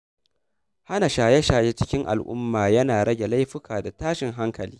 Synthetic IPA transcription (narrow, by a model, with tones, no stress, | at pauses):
ha˦na˨ʃaː˨jɛ˦ʃaː˨je˦t͡ʃɪ˦kʲɪ˦ŋʔa̰˨lʔʊ̰˦mːaː˨jɐ˦naː˨ɽɐ˦ɡʲe˨la˦jɸɪ˦kʰaː˨da˨taː˦ʃɪ˨ŋɦa˦ŋkɐ˨liː˦